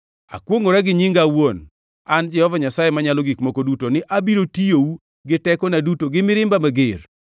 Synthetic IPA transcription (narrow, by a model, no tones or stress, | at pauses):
a̰kwoŋoɾaɡɪɲɪŋɡawon | and͡ʒɛhɔvaɲasajemaɲalɔɡikmɔkodutonɪʔabiɾotijou | ɡɪtɛkɔnadutoɡɪmɪɾɪmbamaɡer